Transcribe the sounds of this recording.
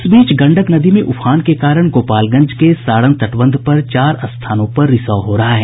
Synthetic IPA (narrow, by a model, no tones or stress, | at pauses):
sbiːt͡ʃɡɐ̃ɳɖəknɐd̪imẽʔʊpʰaːnkekaːɾəɽ̃ɡoːpaːlɡɐ̃ɲd͡ʒkesaːɽə̃nt̪ɐʈʋə̃nd̪ʱpɐɾt͡ʃaːɾɐst̪ʰaːnõpɐɾːɪsaːɦoːɾɐɦaɦɛː